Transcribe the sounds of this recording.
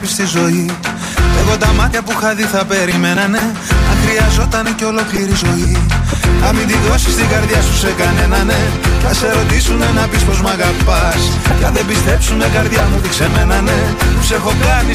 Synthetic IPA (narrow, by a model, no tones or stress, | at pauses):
pist̪izo̞i | eɣo̞t̪ɐmɐt̪çɐpuxɐðiθɐpe̞ɾime̞nɐne̞ | ɐŋxɾiɐzo̞t̪ɐne̞ceo̞lo̞kliɾizo̞iθɐmind̪iðo̞si̥st̪iɡɐɾðʝɐsuse̞kɐne̞nɐne̞ | θɐse̞ɾo̞t̪isunenɐpispo̞zmɐɣɐpɐs | cɐðebist̪e̞psuneɡɐɾðʝɐmut̪iksemenɐne̞ | ose̞xo̞kɐni